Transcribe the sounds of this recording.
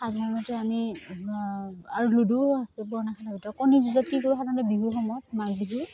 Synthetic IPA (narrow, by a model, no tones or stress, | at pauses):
xatmɔmɔtɛami | aɹuluduasɛbɔɹnakʰatabitɔkɔnizuzɔt̚kikɔɹuxatmɔtɛbiɦuɹxɔmɔjɔtmak̚biɦuɹ